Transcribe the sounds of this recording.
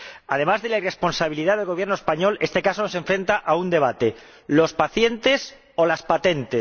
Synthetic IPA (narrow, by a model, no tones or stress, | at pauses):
að̞e̞mazðe̞laire̞spo̞nsaβ̞iliðaðelɣo̞β̞je̞ɾnoespaɲo̞le̞st̪e̞kaso̞no̞se̞ɱfɾe̞nt̪aʔaund̪e̞β̞at̪e̞ | lo̞spaθje̞nt̪e̞s | o̞laspat̪e̞nt̪es